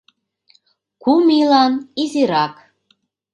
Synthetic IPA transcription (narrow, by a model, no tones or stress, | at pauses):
kumilɑniziɾɑk